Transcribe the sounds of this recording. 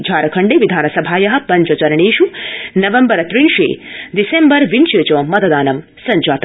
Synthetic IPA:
d͡ʒʱaːɾɐkʰɐɳɖeʋid̪ʱaːnɐsɐbʱaːjɐɦɐ̆pɐɲt͡ʃɐt͡ʃɐɾɐɳiːʃunɐʋembɐɾɐt̪ɾinʃḛːd̪isembɐɾʋinʃɐt͡ʃɐmɐt̪ɐd̪aːnɐm | sɐɲd͡ʒaːt̪

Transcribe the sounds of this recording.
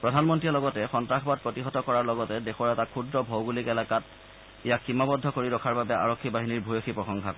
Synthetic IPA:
pɹɔdʱanmɔntɹiɛlɔɡɔtɛxɔntɹaxbat̚pɹotixɔtɔkɔɹaɹlɔɡɔtɛdexɔɹɛtakʰudɹɔbʱɔwɡulikɛlakat | ɛjakʰximabɔdʱːɔkoɹiɹɔkʰaɹbabɛa̰ɹɔkʰːibaɦiniɹbʱujoxʰipɹɔxɔŋkʰakɔ

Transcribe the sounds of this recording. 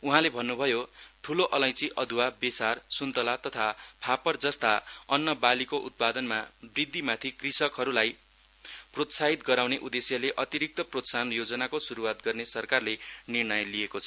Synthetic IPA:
uɦãlebʱʌnːubʱʌjoʈʰuloʔʌlʌ̃j̃t͡siʔʌd̪ʱuwabesarsunt̪ʌlat̪ʌt̪ʰapʰapʌrd͡zʌst̪aʌnːʌbalikoʔut̪̚pad̪ʌnmabrid̪ʱːimat̪ʰikrisʌkɦʌɾulaj | prot̪saɦit̪ɡʌɾawneʔud̪esjʌleʔʌt̪iɾik̚t̪ʌprot̪sanjod͡zʌnakosuɾuwat̪ɡʌrnesʌrkarlenirnʌjlijekot͡sʰʌ

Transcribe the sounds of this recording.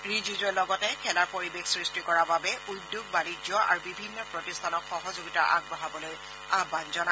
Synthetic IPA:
ɹizizɔlɔɡɔtɛkʰɛlaɹpoɹibexsɹistikɔɹababɛʔudjoɡ̚banid͡ʒɔʔa̰ɹubibʱinːɔpɹɔtistʰanɔkxɔɦɔzoɡitaʔa̰ɡ̚baɦabɔloj | abanzɔna

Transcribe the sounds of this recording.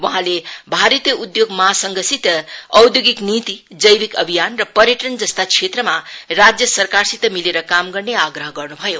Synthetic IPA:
wʌɦãlebʱaɾʌt̪jʌud̪joɡmʌasʌŋɡʌsit̪ʌwd̪joɡiknit̪id͡zʌjbikʌbʱijanrʌpʌɾjeʈʌnd͡zʌst̪at͡sʰet̪rʌmarad͡zjʌsʌrkarsit̪ːʌmileɾʌkamɡʌrneaɡɾʌɦʌɡʌrnubʱʌjo

